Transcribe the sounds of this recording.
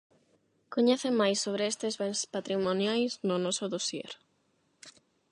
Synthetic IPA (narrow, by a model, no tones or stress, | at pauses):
koɲeθemajsːoβ̞ɾeest̪ezβenspat̪ɾimonjajsnʊnɔsoðosjḛɾ